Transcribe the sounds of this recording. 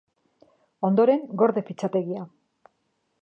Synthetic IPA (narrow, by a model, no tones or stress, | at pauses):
o̞nd̪o̞ɾe̞ŋɡo̞ɾðe̞pit͡sat̪e̞ɣia